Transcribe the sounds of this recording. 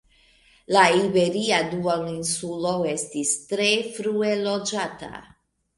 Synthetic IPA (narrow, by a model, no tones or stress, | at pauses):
laibe̞ɾiaduolinsulo̞e̞stistɾe̞fɾue̞lo̞d͡ʒata̰